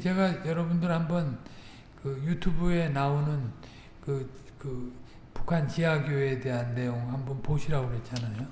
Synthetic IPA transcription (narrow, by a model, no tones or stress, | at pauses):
t͡ɕe̞ɡajʌɾʌbundɯɾhambʌn | kɯjutʰubue̞naonɯn | kɯkɯ | pukʰant͡ɕiɦaɡjoe̞de̞ɦanːe̞joŋhambʌnpoɕʰiɾaɡoɦe̞t̚t͡ɕ͈anajo